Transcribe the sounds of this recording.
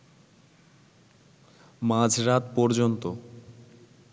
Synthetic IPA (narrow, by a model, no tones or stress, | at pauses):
mãd͡ʑʱɾat̪pɔɾd͡ʑont̪o